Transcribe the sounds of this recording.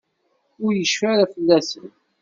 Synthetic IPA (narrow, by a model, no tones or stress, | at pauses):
ʊɾjəʃfæɾæfəlːæsə̰n